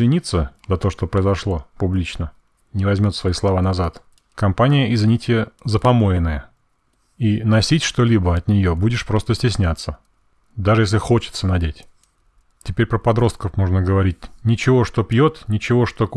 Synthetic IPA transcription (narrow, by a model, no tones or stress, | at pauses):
zvʲɪnʲit̪sːəzɐt̪o̞ʂt̪opɾəɪzɐʂlˠo̞pʊblʲit͡ɕnə | nʲɪvɐzʲmʲo̞t̪svɐislˠɐvanɐzat̪ | kɐmpanʲɪjəʔɪzʲvʲɪnʲitʲɪjəzəpɐmo̞jɪnːəjə | inɐsʲitʲʂt̪o̞lʲibəɐt̪nʲɪjo̞budʲɪʂpɾo̞st̪əsʲtʲɪsʲnʲat̪sːə | d̪aʐɨjes̬ʲlʲɪxo̞t͡ɕɪ̥t̪sənɐdʲetʲ | tʲɪpʲeɾʲpɾəpɐd̪ɾo̞st̪̚kəfmo̞ʐnəɡəvɐɾʲit̚ʲnʲɪt͡ɕɪvo̞ʂt̪o̞pjo̞t̪nʲɪt͡ɕɪvoʂt̪o̞